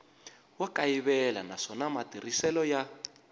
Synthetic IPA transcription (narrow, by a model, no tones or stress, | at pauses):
wakaiβɛla̰naʂɔnamatirisɛlɔja